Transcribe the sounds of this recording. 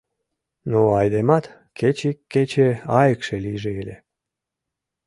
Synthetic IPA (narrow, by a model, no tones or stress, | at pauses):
noɑjd̪emɑt̪ | ket͡ɕikːet͡ɕeɑjəkʃelijʒeelʲe